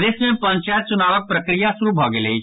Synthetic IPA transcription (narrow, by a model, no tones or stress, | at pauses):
d̪eːsmẽpɐ̃ɲt͡ʃaːjt̪̚t͡ʃʊnaːʋək̚pɾəkɾijasuɾubʱɔɡelei